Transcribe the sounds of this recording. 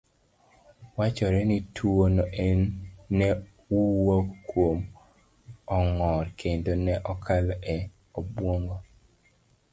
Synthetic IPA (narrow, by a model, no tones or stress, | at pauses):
wat͡ʃɔɾɛnitʰuonoʔɛnːɛ | uwokwom | ɔŋɔrkʰendonɛʔɔkʰalɔʔɛ | obwoŋɡo